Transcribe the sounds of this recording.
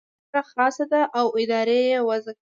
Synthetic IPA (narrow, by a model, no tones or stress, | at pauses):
axɑsad̪aʔawɪd̪ɑɾejewaza